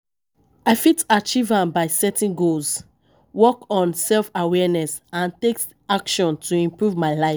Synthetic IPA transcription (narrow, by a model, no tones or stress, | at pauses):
aɪfitat͡ʃivãmbaɪsɛtĩnɡolz | wɔkɔ̃nsɛlfawɛnɛsãntek | akʃɔ̃ntʰuĩmpɹuvmaɪlaɪf